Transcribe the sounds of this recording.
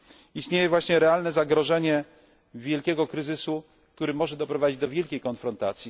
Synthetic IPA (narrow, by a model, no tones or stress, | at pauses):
ist̪ɲejɛvwaɕɲɛɾɛalnɛzaɡɾɔʐɛɲɛ | vʲjɛlkʲɛɡɔkɾɘzɘsu | k̚t̪uɾɘmɔʐɛd̪ɔpɾɔvad͡ʑid͡ʑd̪ɔvʲjɛlkʲejkɔnfɾɔnt̪at̪sʲji